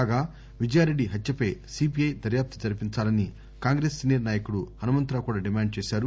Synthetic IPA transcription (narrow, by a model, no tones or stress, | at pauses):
aːɡaː | ʋid͡ʒɐjaːɾeɖːiɦɐt̪jɐpɐjsip̬iɐjd̪ɐɾjaːp̚t̪ɐ̥d͡ʒɐɾɐpiɲt͡ʃaːlɐni | kaːŋɡɾeːsːineːɾnaːjɐkuɽuhɐnumɐnt̪ɾaːkuːɽaːɖimaːɳɖ̚t͡ʃeːʃaːɾu